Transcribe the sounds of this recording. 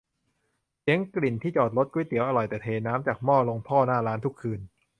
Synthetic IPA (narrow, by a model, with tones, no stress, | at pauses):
li˦˥əŋkli˨˩nt̪ʰiː˥˩t͡ɕɔː˨˩t̪̚lo˦˥t̪̚ku˧˥˦jt̪i˨˦əwʔa˧lɔ˨˩jt̪ɛː˨˩t̪ʰeː˧naː˦˥mt͡ɕaː˨˩k̚mɔː˥˩lo˧ŋpʰɔː˥˩naː˥˩laː˦˥nt̪ʰu˦˥kʰːɯː˧n